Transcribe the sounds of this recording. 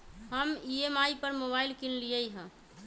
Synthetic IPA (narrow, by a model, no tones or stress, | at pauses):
ɦəmiemaipəɾmoβailkinlijəjɦə̃